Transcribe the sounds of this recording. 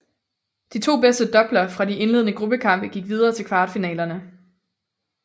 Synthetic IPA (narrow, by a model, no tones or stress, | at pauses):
d̥it͡sʰo̝̰ːb̥esd̥əd̥ɒ̽b̥lɐfʁɑ̈die̝nle̝ðˠnəɡ̥ʁub̥əkʰɑ̈m̰b̥əɡ̥iɡ̥ʋið̞ˠɐːt͡sʰe̝lkʰʋɑ̈ːd̥finɛ̰ːlɐnə